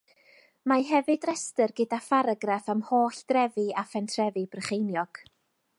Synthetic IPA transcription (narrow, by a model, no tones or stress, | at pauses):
maɦɛvɨdrɛstərɡədafaɾaɡrafamhoːɬd̥rɛvɨafɛntʰrɛvɨb̥rəχejnjɔɡ̥